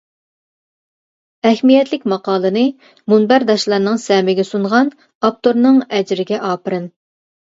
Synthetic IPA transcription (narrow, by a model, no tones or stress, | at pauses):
ɛhmijɛt̪ʰlɪkʲmɑqɑːlˠɨnɨ | munbæɾd̪ɑʃlˠɑɾnɨŋsɛmɪɡʲɛsuɴʁɑn | ɑp̚t̪oɾnɨŋɛd͡ʒɾɪɡʲɛʔɑːpɨɾɨn